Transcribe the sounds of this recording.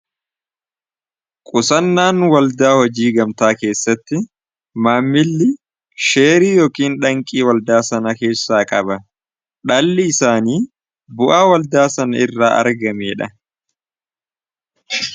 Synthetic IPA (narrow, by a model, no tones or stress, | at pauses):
kʼʊsɐnːaːnwɐld̪aːhɔd͡ʒiːɡɐmt̪aːke̞ːsːɐt̪ːɪ | maːmːɪlːɪ | ʃe̞ːɾiːjoːkiːnᶑɐŋkʼiːwɐld̪aːsɐnɐke̞ːsːaːkʼɐbɐ | ᶑɐlːɪɪsaːniː | bʊʔaːwɐld̪aːsɐnɐɪrːaːʔɐ̰ɾɡɐmeːᶑɐ